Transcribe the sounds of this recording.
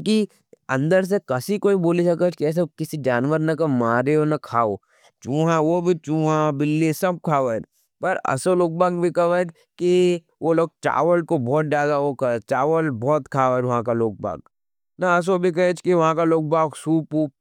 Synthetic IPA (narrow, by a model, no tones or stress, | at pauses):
ki | ɐ̃nd̪əɾs̬ekɐsikoːiboːlisɐkət͡ʃkiɛːs̬ekɪsid͡ʒaːnʋəɾnɐkɐmaːɾeonɐkʰaːo | t͡ʃũːɦãʋobʱit͡ʃũːɦãbɪlːisɐb̚kʰaːʋə | pɐɾɐ̰soloːk̚baːŋɡbʱikɐʋət͡ʃ | ki | ʋoloːɡ̚ʈa̰ːʋəlkobʱɔːt̪̚daːd̪aokɐt͡ʃaːʋəlbɔːt̪kʰaːʋəʋɐɦãkaloːk̚ba̰ːɡ | nɐɐs̬obʱikɐet͡ʃʰkiʋɐɦãkaloːk̚baːɡsuːpuːp